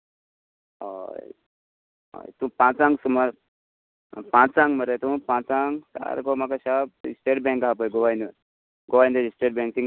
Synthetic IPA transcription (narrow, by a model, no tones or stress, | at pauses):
a̰j | a̰jt̪ũpãt͡sãŋɡsumaɾ | pãt͡sãŋɡməɾajt̪ũpãt͡saŋɡt̪a̰ɾkɔmakaɕab̚isʈeʈ̚bɛ̃ŋkapəjɡoʋajnə | ɡoʋajnd̪əisʈeʈ̚bɛ̃ŋk̚t̪ĩŋ